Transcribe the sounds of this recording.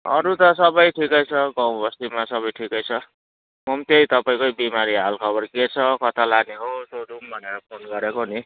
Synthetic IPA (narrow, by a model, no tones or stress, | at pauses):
ʌ̰ɾut̪ʌsʌbʌjʈʰikʌjt͡sʰʌɡãw̃bʌst̪imasʌβʌjʈʰikʌjt͡sʰʌ | mʌmt̪ʌjt̪ʌpaĩkojbimaɾiɦalkʰʌβʌrket͡sʰʌkʌt̪ʰalaneɦot̪oɾumbʱʌneɾʌpʰonɡʌɾekoni